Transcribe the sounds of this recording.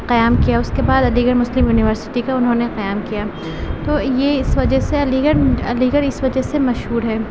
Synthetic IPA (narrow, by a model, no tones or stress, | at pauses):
qɐjaːmkijaʊskebaːd̪ɐliːɡəɾmʊslɪmjuːnɪʋəɾsɪ̥ʈikaʊnɦõneqɐjaːmkijaː | t̪oːjeɪsʋɐd͡ʒəɦseɐliːɡəɾɐliːɡəɾɪsʋɐd͡ʒəɦsemɐʃɦuːɾɦɛː